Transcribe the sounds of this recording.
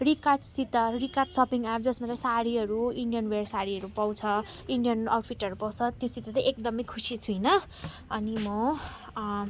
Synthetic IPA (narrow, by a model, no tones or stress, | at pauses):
rikarʈsit̪ʌrikarʈsʌpiŋɡap̚ʰd͡zʌsmat̪ʌsaɾiɦʌɾuiɳɖijʌnwersaɾiɦʌɾupaw̃t͡sʰʌ | iɳɖijʌnʌwʈ̚ʰpʰiʈʌɾupʌw̃t͡sʰʌt̪josit̪at̪ʌʔek̚d̪ʌmʌjkʰusit͡sʰujnʌ | ʌnimʌ